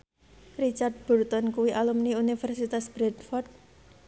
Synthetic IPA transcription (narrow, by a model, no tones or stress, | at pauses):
rit͡ʃard̪̚b̥ɔ̤rt̪ɔnkuwiʔalumniunifɛrsit̪asb̥ɾɛd̪fɔrt̪̚